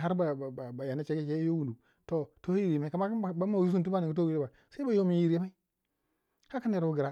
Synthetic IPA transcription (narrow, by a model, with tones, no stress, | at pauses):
ɦa˦ɾba˨a˨ba˨ja˨na˦t͡ʃe˦ɡe˦t͡ʃe˦jo˦wu˨du˨ | to˨to˦ji˨ɾi˨ma˦i˦ka˨˦ma˦˨ba˦ma˨u˦u˦n˨t̬u˦ba˦ni˨ɡi˦t̬o˦wi˦ɾi˦ba˨ | sa˦i˦ba˨jo˦mi˨ji˨ɾi˦ma˦i˦ | ha˦ka˦ne˨ɾwu˦ɡi˨ɾa˨